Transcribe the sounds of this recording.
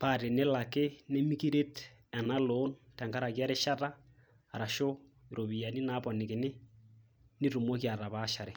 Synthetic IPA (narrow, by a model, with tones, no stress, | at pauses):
pa˦˨te˨ne˦la˨kɪ˦ne˦mi˦ki˦ɾe˦t | ɛ˨na˦lo˨˦ntɛ˨ŋka˦ɾa˨kja˦ɾe˦ʃa˦taː˦˨ | ɾa˨ʃo˦ | ɪ˨ɾo˨βi˨ja˨ni˦na˦pɔ˨nɪ˨kɪ˨nɪ˦ | nɪ˦tu˨mo˦kja˨ta˨pa˦ʃa˨ɾe˨